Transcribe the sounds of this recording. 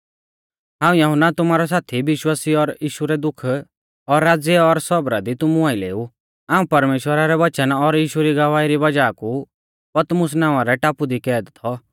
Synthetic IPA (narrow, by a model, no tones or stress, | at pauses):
ɦãːũjɐɦʊnat̪ʊmaːɾɔs̬aːt̪ʰibɪʃwaːsiɔɾjiːʃuɾɛd̪ʊkʰ | ɔɾːaːd͡zjɛɔɾsɔbɾad̪it̪ʊmũaːilḛːu | aːũpɐɾmeːʃwəɾaɾɛbɐt͡ʃənɔɾjiːʃuɾiɡɐʋaːiɾibɐd͡ʒaːku | pɐt̪mʊs̬naːʋ̃aɾɛʈaːpud̪ikɛːd̪t̪ʰɔ